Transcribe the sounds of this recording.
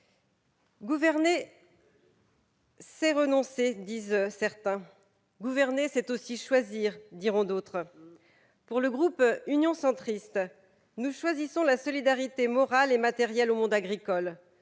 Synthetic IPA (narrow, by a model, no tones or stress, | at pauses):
ɡuvɛʁne | sɛʁənɔ̃sed̪izsɛʁt̪ɛ̃ | ɡuvɛʁnesɛt̪osiʃwaziʁd̪iʁɔ̃d̪ot̪χ | puʁləɡʁupynjɔ̃sɑ̃t̪χist̪ | nuʃwazisɔ̃lasɔlid̪aʁit̪emɔʁalemat̪ɛʁjɛlomɔ̃d̪aɡʁikɔl